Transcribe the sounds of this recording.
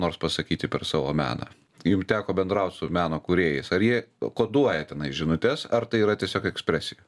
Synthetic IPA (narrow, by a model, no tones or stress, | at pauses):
noːrspɐsɐkʲiːt̪ʲɪpʲɛɾsɑːʋo̰ːmʲæ̰ːnɑ̰ | jʊmt̪ʲæːkoːbʲɛnd̪ɾɐʊt̪ʲsʊmʲæːnoːkʊɾʲeːjɪsɐɾjiɛkoːd̪uɔjɛt̪ʲɛnɐɪʒʲɪnʊt̪ʲɛsɐrt̪ɐɪiːɾɐt̪ʲiɛsʲoːkɛksʲpʲɾʲæːsʲɪjo